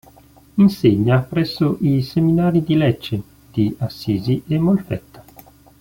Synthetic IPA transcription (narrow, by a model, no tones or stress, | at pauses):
inseɲːapɾɛsːoʔiseminaːɾid̪ilɛt͡ʃːe | d̪̥iasːiːziʔemolfɛ̰t̪ːḁ